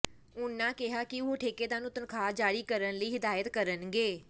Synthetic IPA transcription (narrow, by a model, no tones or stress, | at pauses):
ʊnːãːkɪɦaːkɪʊoʈʰeːkeːt̪aːnũːt̪ənkʰaːd͡ʒaːɽiːkəɾənləiːɦɪd̪aːjət̪kəɾənɡeː